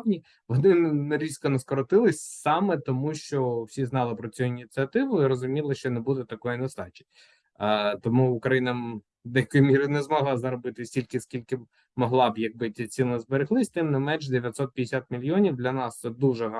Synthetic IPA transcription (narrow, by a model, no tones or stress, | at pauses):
nʲi | ʋɔnɪnɐɾʲiskɔnɐskɔɾɔt̪ɪlˠɪsʲsɑmɛt̪ɔmuʃt͡ʃɔwsʲiznɑlˠɪpɾɔt͡sʲujuinʲit̪ʲt͡s̪ʲɨɐt̪ɪʋʊiɾɔzʊmʲilˠɪʃt͡ʃɔnebud̪ɛt̪ɐkɔjinɐst̪ɑt͡ʃɪ̥j | t̪ɔmuʊkɾɐjinɐ | d̪ɛjɐkʊjumʲiɾɪʊnɛzmɔɦlˠɑzɐɾɔbɪt̪ɪsʲtʲilʲkɪskʲilʲkɪ | mɔɦlˠɑbjɐɡ̚bɪt͡s̪ʲit͡sʲsʲinɐzbeɾɪɦlˠɪsʲt̪ɪmnɪmɛnʒd̪eʋʲjɐt̪sɔt̪̚pʲjd̪ɪsʲat̪̚mʲilʲjɔnʲiwd̪lʲɐnɑsɛd̪uʒɛɦ